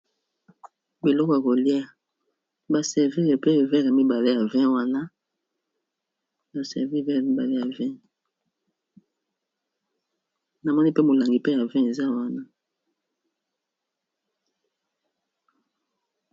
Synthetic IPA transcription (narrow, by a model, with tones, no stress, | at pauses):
bi˨lɔ˦kɔ˨ja˨ko˨li˦a˦˨ | ba˨sɛ˨ʁvi˦ʁe˨pe˦˨vɛ˦ʁa˨mi˦ba˨le˦ja˨vɛ̃˦wa˦na˦ | ba˨sɛ̰˨ʁvi˦˨vɛ˦˨mi˦ba˨le˦ja˨vɛ̃˦ | na˨mɔ˦ni˦pe˦mo˨la˨ŋɡi˨pe˦ja˨vɛ̃˦e˨za˦wa˦na˦